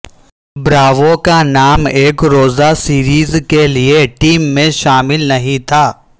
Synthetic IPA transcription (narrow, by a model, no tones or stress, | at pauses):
bɾaːʋokanaːmeːkɾoːzasiːɾiːzkelieʈiːmːẽʃaːmɪlnɐɦĩt̪ʰaː